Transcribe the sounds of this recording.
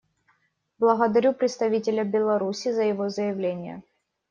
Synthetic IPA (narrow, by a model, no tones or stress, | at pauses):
blˠəɣəd̪ɐɾʲupɾʲɪt̪st̪ɐvʲitʲɪlʲəbʲɪlˠɐɾusʲizəjɪvozəjɪvlʲenʲɪjə̰